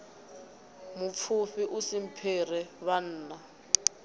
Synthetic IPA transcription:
mup̪fʰufiʔusim̩pʰerɛβan̩ːna

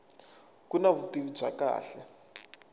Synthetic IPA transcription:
kunaβutiβidb͡ʐʱaka̰ːɬɛ

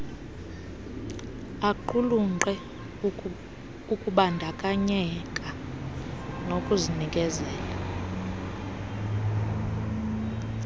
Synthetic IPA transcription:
aǃuluŋŋ͡ǃɛ | ukʼuɓandʱakʼaɲɛkʼa | nokʼuzinikʼɛzɛːla

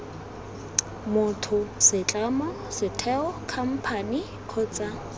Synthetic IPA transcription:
mʊtʰʊsɪt͡ɬʼamɔ | sɪtʰɛɔkʰam̩pʰani | kʰɔːt͡sʼa

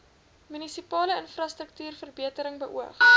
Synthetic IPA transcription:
mynisipɑːləənfrɑstɾək̚tyːrfərbiətəɾəŋbəʔuəχ

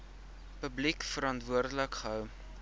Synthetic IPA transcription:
pəblikfəɾɐntvuərdələkχəɦœw

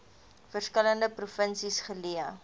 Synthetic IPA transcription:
fərskələndəpɾufənsisχəliə

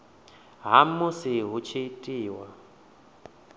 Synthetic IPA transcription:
ɦamusiɦut͡ʃʰiitʼiːwa

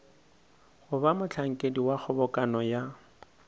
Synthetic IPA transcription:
hʊbamʊt͡ɬʰaŋ̩kʼediwak͡xʰʊbɔkʼanɔja

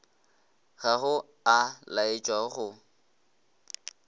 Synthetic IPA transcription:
ɣaɣʊ | alaɪt͡ʃʼwaχʊ

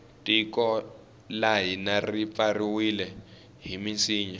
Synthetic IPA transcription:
tʼikɔ | laɦinarip̪fariwilɛ | ɦiminsiːɲɛ

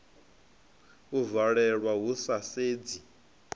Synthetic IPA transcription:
uvaɺɛɺwaɦusaseːd͡zi

